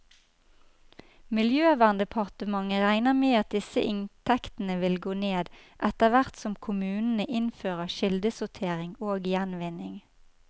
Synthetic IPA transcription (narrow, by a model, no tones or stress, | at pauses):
mɪljøːʋæːʁnd̪əpʰɑʁt̪əmɑŋəʁæɪnəmeːɑt̪̚d̪ɪsə̰ʔɪnt̪ʰɛkt̪n̩əʋɪlɡoːneːd̪ʔɛt̪əʋæʁt̪sɔmkʰʊmʉːnn̩əʔɪnføːʁəʃɪld̪əsʊt̪ʰeːʁɪŋoːɡjɛnʋɪnɪŋ